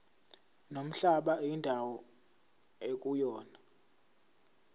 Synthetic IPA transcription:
nom̩ɬaɓaindʱawɔ | ek̬ʼujɔːna

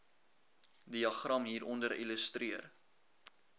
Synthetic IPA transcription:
diɐχrɐmɦiːɾʔɔndəɾḭləstriər

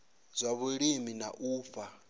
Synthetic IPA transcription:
zʷaβuɺimina̰ʔuːp̪fa

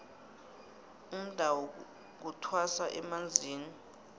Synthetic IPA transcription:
um̩d̥ʱawɔ | k̬utʰwasaʔɛmand͡zʱiːni

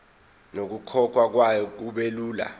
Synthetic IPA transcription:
nok̬ukʰɔkʰwak̬wajɔk̬uɓeluːla̰

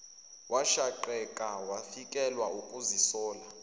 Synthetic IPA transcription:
wʔaʃaǃɛkʼawafikʼɛlwaukʼuzisɔːla

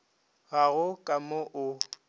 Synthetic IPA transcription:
ɣaɣʊkʼamoʔʊ

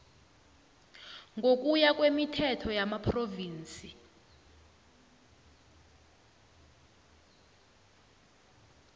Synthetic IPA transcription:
ŋɡok̬ʼujakwemitʰɛtʰɔjamapʰroviːnt͡sʼi

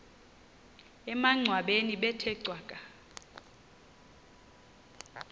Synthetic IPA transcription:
ɛmaŋ͡ǀʱwaɓeniɓɛtʰɛǀwaːkʼa

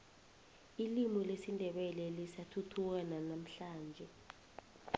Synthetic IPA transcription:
ilimɔlesindʱɛɓɛlɛlisatʰutʰuk̬ananam̩ɬaːnd͡ʒʱɛ

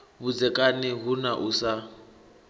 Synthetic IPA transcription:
βud͡zɛkʼanɛɦunaʔusa

